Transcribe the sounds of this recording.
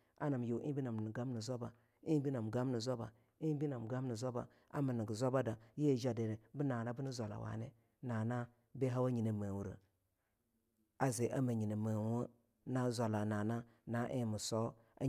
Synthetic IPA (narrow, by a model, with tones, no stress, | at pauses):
a̰˦na˨m˨jo˨˦ḭ˦bi˦na˨m˨n˨ɡa˦m˦ni˨zo˦ba˨ | i˦bi˦na˨m˨ɡa˦mni˨zo˦ba˨ | i˦bi˦na˨m˨ɡa˦m˦ni˨zo˦ba̰˨ | a̰˦ma˨ni˨ɡi˨zo˦ba˦da˨je˦˨d͡ʒa˦de˨ne˨bi˦na˨na˦bu˦ni˦zʷa˨la̰˨wa̰˨ne˦ | na˨na˦ | be˦ɦa˦wa˦ɲi˨ne˨mə˨wu˨ɾə̰˨ | a˨ze˨ʔa˦ma˨ɲi˨nə˨mə˨wə˦ | na˦zʷa˨la˨na˨na˦ | na˨˦ʔḛ˦˨mi˨so˦ | a̰˦